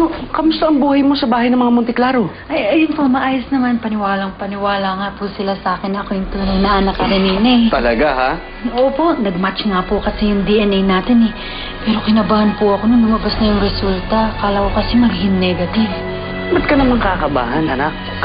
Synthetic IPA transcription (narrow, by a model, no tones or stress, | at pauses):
nokɐmʊst̪ɐʔɐŋbuːhɐjmo̞sɐbaːhɐjnɐŋmɐŋamʊnt̪ɪklaɾo | ʔɐjɐjʊnpo̞mɐʔaːjosnɐmanpɐnɪwaːlɐŋpɐnɪwaːlɐŋapʊsɪlasaːkɪnɐko̞jʊŋt̪uːnɐŋnɐʔɐnɐkːɐɾɪninɛt̪ɐlɐɡaha | ʔoːpo̞ʔnɐɡ̚mat͡ʃŋapokɐsɛjʊŋd̪iʔɛnɛjnaːt̪ɪnɛ | pɛːɾo̞kɪnɐbahɐnpʊʔɐko̞nɐŋmɐmɐbasnɐjʊŋɾɛsult̪ɐkaːlɐhokɐsɛmɐɡhɪnːɛɡɐt̪ɪv | bɐd̪̚kɐnɐmɐŋkɐkɐba̰ːhɐnhɐnak̚